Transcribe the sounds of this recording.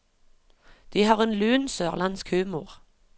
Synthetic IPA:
d̪̥iːhɑːʁeːnlʉːnsøːʁlɑnskhʉːmuːʁ

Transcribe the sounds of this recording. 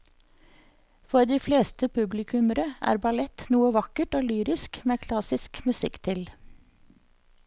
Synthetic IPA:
fɔɾd̪iːfleːst̪əpʰʉblɪkʰʉməɾəʔæ̰ːɾbɑlɛt̪nuːəʋɑkəʈoːlyːɾɪskmeːkʰlɑsɪskmʉsɪkt̪ʰɪl

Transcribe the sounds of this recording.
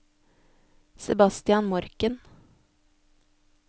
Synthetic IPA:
sɛbɑst̪ɪɑnmɔɾkən

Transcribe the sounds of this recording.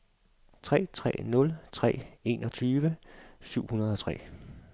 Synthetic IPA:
t͡sʰʁɛ̰ːt͡sʰʁɛ̰ːnɔ̽lt͡sʰʁɛ̰ːe̝ːnɒ̽t͡sʰyːʋəsyʊ̰hunɐð̞ˠɒ̽t͡sʰʁɛ̰ː

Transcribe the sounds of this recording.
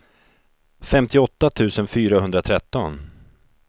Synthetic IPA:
fɛmt̪ɪɔt̪ːat̪ʰʉ̟ːsənfyːɾahɵnd̪ɾat̪ʰɾɛt̪ːɔ̰n

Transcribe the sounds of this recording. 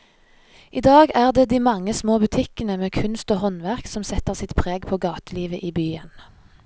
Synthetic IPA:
ʔiːd̪ɑːɡæːʁd̪eːd̪iːmɑŋːəsmoːbʉt̪ʰɪkənəmeːkʰʉnst̪oːhɔnʋæʁksɔmsɛt̪əʁsɪt̪pʰʁeːɡpʰoːɡɑːt̪əliːʋəʔiːbyːən

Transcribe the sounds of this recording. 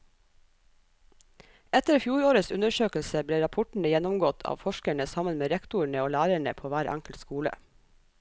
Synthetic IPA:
ɛt̪əɾfjuːɾoːɾəsʉnəʃøːklsəbleːɾɑpʰʊʈɳ̩əjɛnʊmɡɔt̪ʰɑ̰ːʋfɔʃkəɳəsɑmənmeːɾɛkt̪ʊɳəoːlæːɾəɳə̰pʰoːʋæːɾʔæ̰ŋkəlt̪skuːlə̰

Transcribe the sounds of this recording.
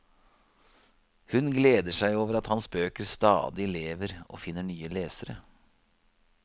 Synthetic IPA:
hʉnɡleːd̪əʂæɪoːʋəɾɑt̪hɑnsbøːkəɾst̪ɑ̰ːd̪ɪleːʋəɾo̰ːfɪnːəɳyːəleːsəɾə

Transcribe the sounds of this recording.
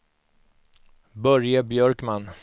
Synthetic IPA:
bœɾjabjœɾkman

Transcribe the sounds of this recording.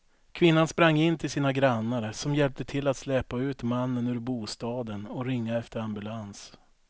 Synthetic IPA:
kʰvɪnːanspɾaŋːɪnːt̪ʰɪlsiːnaɡɾanːaɾsɔmjɛlp̚t̪ət̪ʰɪlːat̪slɛːpaʉ̟ːt̪manːənʉ̟ːɾbuːst̪ɑːd̪ənɔɾɪŋːaɛft̪əɾambɵlans

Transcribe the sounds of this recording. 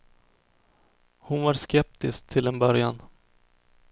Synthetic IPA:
hʊnvaɾʂkɛp̚t̪ɪsk̚t̪ʰɪlɛnbœɾjan

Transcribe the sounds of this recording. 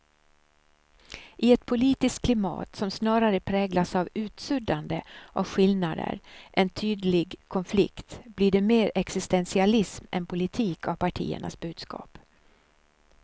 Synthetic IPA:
ʔɪɛt̪pʰʊliːt̪ɪst̪̚kʰlɪmɑ̰ːt̪sɔmsnɑːɾaɾəpʰɾɛːɡlasavʉ̟ːt̪sɵd̪and̪əʔavɧɪlnad̪ə̰ɾʔɛnt̪ʰyːd̪lɪɡkʰɔnflɪ̰kt̪bliɖɛmeːɾɛksɪst̪ɛnsɪalɪsmɛ̰npʰʊlɪt̪ʰiːkʰavpʰaʈʰḭːə̰ɳa̰sbʉ̟ːd̪skʰɑ̰ːp

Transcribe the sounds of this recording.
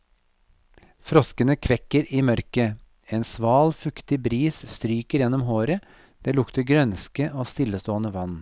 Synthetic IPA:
fɾɔskənəkʰʋɛkəɾiːmœɾkə | eːnsʋɑːlfʉkt̪ɪbɾiːsst̪ɾyːkəɾjɛnːɔmɦoːɾə | d̪̥eːlʊkt̪əɾɡɾœnskəʔoːst̪ɪləst̪oːənəʋɑn

